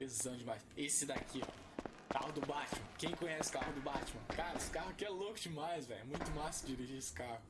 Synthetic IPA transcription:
ezɐ̃w̃d͡ʒɪmajsesɪd̪akʰi | ka̰hʊd̪ʊbat͡ʃɪmɐ̃kẽj̃kõɲɛsɪʊ̥kahʊd̪ʊbat͡ʃɪmɐ̃kaɾɐesɪ̥kaɦʊkɪɛlokʊd͡ʒɪmajzvɛ̰jʊɛmũj̃t̪ʊmasd͡ʒiɾiʒiesɪ̥kahʊ

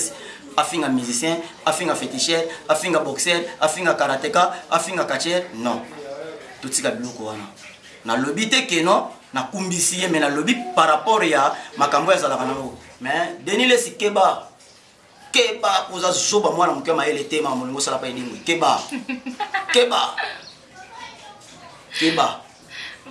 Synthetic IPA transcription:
si̥ | afiŋɡamizisjɛ̃afiŋɡafetiʃjɛʁafiŋɡabɔksɛʁafiŋɡakaʁatɛkaafiŋɡakat͡ʃɛʁnɔ̃ | totikabilɔkɔwana | nalobitɛkenɔ̃ | nakumbisijemɛnalobipaʁapɔʁjamakambojazalakanamɛdenilesikeba | kebakozazobamwanamokamajeletemamoloŋɡosalapaeleŋɡoikeba | keba | keba

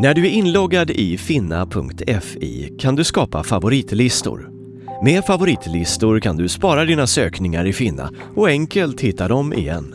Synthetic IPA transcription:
næɖɵæɾɪnlɔɡːad̪ɪfɪnːa̰pʰɵ̰ŋkt̪ʰɛfḭːkʰand̪ɵskɑːpa̰favʊɾiːt̪lɪst̪ʊ̰ɾ | meːfavʊɾiːt̪lɪst̪ʊɾkʰand̪ɵspɑːɾad̪iːnasøːknɪŋaɾɪfɪnːa̰ | ɔɛŋkəlt̪hɪt̪ːad̪ɔmɪ̰jɛ̰nː

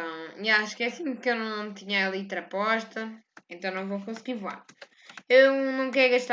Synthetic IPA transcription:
ɐ̃w̃iaʃkɛɐsimkewnɐ̃w̃t̪iɲɐɐlˠit̪ɾɐpɔʃt̪ɐẽnt̪ɐ̃w̃nɐ̃w̃vowkõsɣiɾvwa̰ɾ | ewnɐ̃w̃kɛɾɣɐʃt̪

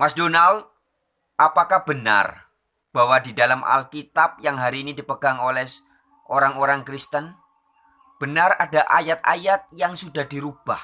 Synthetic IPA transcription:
masdonald̪̚ | ʔapakahb̥əna̰r | b̥awadidalamʔa̰lkit̪ap̚jaŋɦaɾiːnidipəɡ̥aŋolɛh | ʔoɾaŋoɾaŋkɾist̪ən | b̥ənaradaʔa̰jat̪̚a̰jat̪̚jaŋsudahdiɾub̥ah

